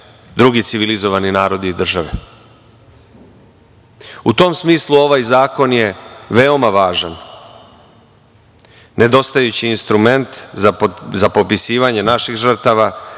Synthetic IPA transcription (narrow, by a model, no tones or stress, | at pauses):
d̪ɾuɡit̪siʋilizo̞ʋaninaːɾo̞d̪iːd̪r̩ʒaʋḛ | ut̪o̞msmiːslˠuo̞ʋajzaːko̞nje̞ʋe̞o̞maʋaːʒan | e̞d̪o̞st̪ajut͡ɕiːnst̪ɾume̞nt̪zazapopisiːʋaɲe̞naʃixʐr̩t̪aʋa